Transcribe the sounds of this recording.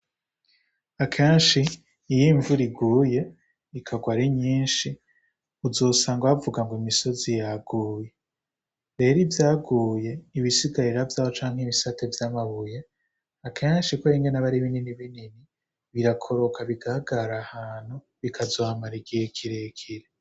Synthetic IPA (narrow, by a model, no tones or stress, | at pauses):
akʰeːnʃiː | jiɱvuɾiɡuːje̞ | ikʰaɡwaɾiɲiːnʃi | uzo̞ːsaːŋɡwavuɡaŋɡoimiso̞zijaɡuːje | ɾe̞ɾivjaːɡuːje̞iβisiɡaɾiɾavjaːβot͡ʃaːŋ̥heβisatevjamaβuje | akʰeːnʃikoɾiŋɡenaβaɾiβininiβinini | βiɾakʰo̞ɾo̞kʰaβiɡahaɡaɾahaːn̥hu | βikʰazohamaɾiɡiekʰiɾekʰiɾe